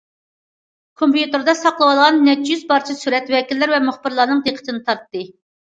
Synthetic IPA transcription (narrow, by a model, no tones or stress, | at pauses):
kʰompjut̪ɨɾd̪ɑsɑqlˠəwɑlˠʁɑnːɛt͡ʃːjyzbɑɾt͡ʃʰɛsyɾɛt̪wɛkʲilːɪɾvɛmʊχbɨɾlˠɑɾnɨŋd̪eqʰə̥t̪ʰɪnɨt̪ʰɑɾt̪ːɨ